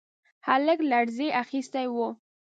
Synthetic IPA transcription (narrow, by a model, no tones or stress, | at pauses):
haləklaɽzeʔaxist̪ajwu